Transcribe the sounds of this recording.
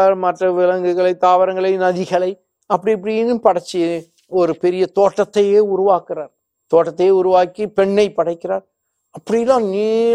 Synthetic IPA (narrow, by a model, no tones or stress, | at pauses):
mɐʈrɐʋɪlɐŋɡɯɣɐɭɐɪt̪aːʋɐɾɐŋɡɐɭɐɪnɐðɪɣɐɭɐɪ | ɐpːɐɽɪɐpːɐɽɪjnɯpɐɽɐt͡ʃːi | ɔɾɯpɛɾɪjɐt̪oːʈːɐt̪ːɐjeːʊɾʊʋaːkɪɾaːɾ | t̪oːʈːɐt̪ːɐjeːʊɾʊʋaːkːipɛɳːɐɪpɐɽɐɪkːɪɾaːɾ | ɐpːɐɽɪjlãːniː